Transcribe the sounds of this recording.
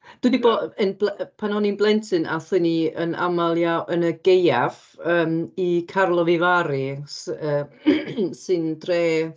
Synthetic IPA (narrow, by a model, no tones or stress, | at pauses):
d̥widiboənblpʰanɔninblˠɛntʰɨnʔa̰θəniənʔa̰malˠjawʔənəɡejav | əːmikʰarlˠɔvɪvaɾɨsəː | sɨndreː